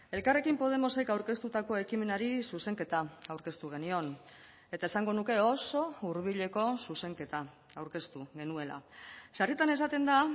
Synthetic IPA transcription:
e̞lkare̞kimpo̞ð̞e̞mo̞sejkawɾke̞st̪ut̪ako̞e̞kime̞naɾisuse̞ŋke̞t̪aawɾke̞st̪uɣ̞e̞nio̞n | e̞t̪ae̞saŋɡo̞nuke̞o̞so̞uɾβ̞iʎe̞ko̞suse̞ŋke̞t̪a | awɾke̞st̪uɣe̞nue̞la̰sarit̪ane̞s̬at̪e̞nd̪a

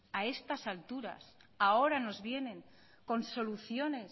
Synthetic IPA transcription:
ae̞st̪asalt̪uɾa̰s | ao̞ɾano̞zβje̞nẽ̞ŋ | ko̞nso̞luθjo̞ne̞s

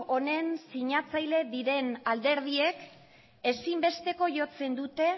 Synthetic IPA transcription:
o̞ne̞nsiɲat͡sajle̞ðiɾe̞nald̪e̞ɾð̞ie̞k | esimbe̞st̪e̞ko̞ʝo̞t͡se̞nd̪ut̪e̞

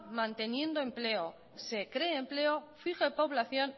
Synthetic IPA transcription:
mãnt̪e̞njẽ̞nd̪oe̞mple̞o | se̞kɾe̞ːmple̞ofixe̞po̞βlaθjo̞n

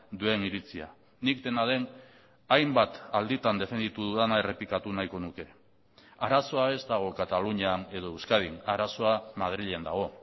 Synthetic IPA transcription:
d̪ue̞niɾit͡sia̰ | nik̚t̪e̞naðe̞n | ajmbat̪ald̪it̪and̪e̞fe̞nd̪it̪uðuðanae̞re̞plikat̪unajko̞nuke̞ | aɾaso̞ae̞zt̪aɣ̞o̞kat̪aluɲiane̞ð̞o̞ewskað̞inaɾaso̞amað̞ɾiʎend̪aɣ̞o̞

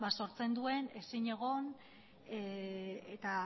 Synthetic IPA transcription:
baso̞ɾt͡se̞nd̪ue̞ne̞siɲe̞ɣ̞o̞n | eet̪a

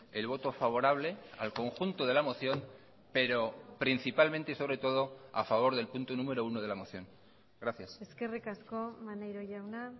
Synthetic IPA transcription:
e̞lβ̞o̞t̪o̞faβ̞o̞ɾaβ̞le̞a̰lko̞ŋxunt̪oð̞e̞lamo̞θjo̞m | pe̞ɾo̞pɾin̟θipalmẽnt̪eiso̞β̞ɾe̞t̪o̞ð̞o̞a̰faβ̞o̞ɾðe̞lpunt̪onũme̞ɾo̞unoðe̞lamo̞θjo̞ŋ | ɡɾaθjaseske̞rikasko̞manejɾoʝawna

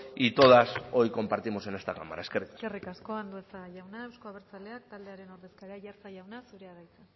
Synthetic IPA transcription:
it̪o̞ðaso̞jko̞mpaɾt̪imo̞senest̪aka̰mːa̰ɾaeskerit̪ḁerikasko̞and̪uet͡saɣajawnae̞wsko̞aβeɾt͡sale̞akt̪ald̪e̞aɾe̞no̞ɾðe̞skaɾeaʝaɾt͡saʝawnasuɾe̞aɣajt͡sa

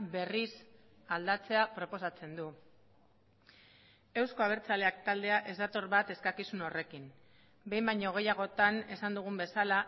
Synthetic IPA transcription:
be̞ris | ald̪at͡se̞apɾo̞po̞sat͡se̞nd̪u | e̞wsko̞aβ̞e̞ɾt͡sale̞ak̚t̪ald̪e̞aʔe̞zd̪at̪o̞ɾβat̪e̞skakisuno̞re̞kim | be̞jmbajɲoɣ̞e̞jaɣ̞o̞t̪ane̞sand̪uɣ̞umbe̞sala

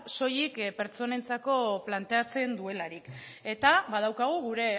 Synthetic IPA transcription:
so̞jikpe̞ɾt͡so̞ne̞nt͡sako̞plant̪e̞at͡se̞nd̪ue̞laɾike̞t̪aβað̞awkaɣ̞uɣuɾe̞

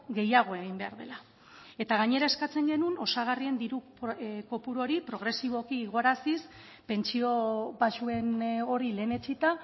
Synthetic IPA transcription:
ɡe̞jaɣ̞o̞e̞ɣ̞imbe̞a̰ɾðe̞la | e̞t̪aɣaɲe̞ɾae̞skat͡se̞ŋɡe̞nuno̞saɣ̞arie̞nd̪iɾu | ko̞puɾo̞ɾipɾo̞ɣɾe̞siβ̞o̞kiɣo̞ɾasis | pe̞nt͡sio̞βaʃue̞no̞ɾile̞ːne̞t͡sit̪a

